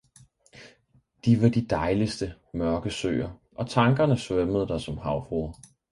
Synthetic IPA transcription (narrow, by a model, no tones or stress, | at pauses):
d̥iʋɑ̈d̥id̥ɑ̈ɪlisd̥ə | mɶɐɡ̥əsø̰ːɐʔɒ̽t͡sʰɑ̈ŋɡ̥ɐnəsʋœməð̞̩ˠəd̥ɑsɒ̽mhɑ̈ʊfʁoɐ